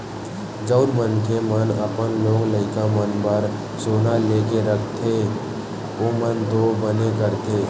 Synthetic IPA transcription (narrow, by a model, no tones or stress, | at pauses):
d͡ʒəʊɾmənkemənəpənlõːŋɡləɪkamənbəɾ | soːnaleːk̬eɾəkʰt̪ʰe | oːmənt̪obənekəɾt̪ʰeː